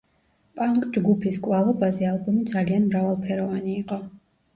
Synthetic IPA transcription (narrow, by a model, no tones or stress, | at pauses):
pʼaŋkʼd͡ʒɡupʰiskʼwalˠɔbazɛalˠbɔmid̪zalianmɾavalˠpʰɛɾɔvaniːqʼɔ